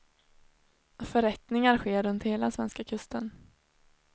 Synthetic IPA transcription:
fœɾɛt̪nɪŋaɾɧeːɾɵnt̪heːlasvɛ̰nskakʰɵst̪ən

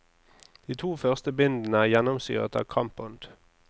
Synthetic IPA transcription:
d̪̥iːt̪ʰuːfœʁst̪əbɪnd̪n̩əæːʁjɛnɔmsy̰ːʁə̰t̪ɑ̰ːʋkʰɑmpʊnd̪̥

